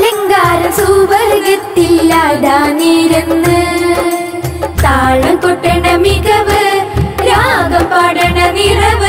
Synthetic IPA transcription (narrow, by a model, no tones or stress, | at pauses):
lɐŋɡaːɾɐsuʋɐɾɣɐt̪ːilːaɽaːniɾunːɨ | t̪aːɭɐmkoʈːɐɳɐmikɐʋɨɾaːɡɐmpɐɽɐɳɐnirɐʋɨ